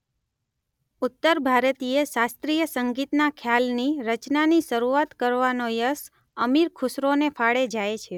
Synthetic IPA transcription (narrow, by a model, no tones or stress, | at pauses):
ʊt̪ːəɾbʱaɾt̪ieʃast̪ɾijəsəŋɡit̪nakʰjalniɾət͡ʃnaniʃəɾuat̪kəɾʋanojəs | əmiɾkʰʊsɾonefʰaɽed͡ʒaet͡ʃʰe